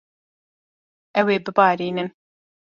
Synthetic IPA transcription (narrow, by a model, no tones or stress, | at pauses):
ʔɛweːbɨbɑːɾiːnɨn